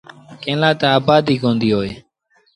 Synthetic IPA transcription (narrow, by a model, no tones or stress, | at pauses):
kẽːlãːt̪aaːbaːd̪iːkõːnd̪iːɦoːeː